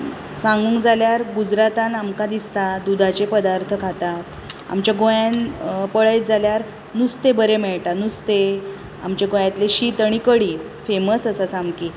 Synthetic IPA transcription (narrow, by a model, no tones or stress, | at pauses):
sãŋɡũŋkd͡zaljaɾɡud͡zɾat̪anamkad̪ist̪ad̪ud̪ʱat͡ɕepəd̪aɾt̪ʰəkʰat̪at̪ | a̰mt͡ɕjaɡojanpəɭəjt̪̚d͡zaljaɾ | nust̪ebəɾemɛɭʈanust̪e | a̰mt͡ɕaɡojãt̪leɕit̪aɽ̃ikəɽiː | feməsəsəsamki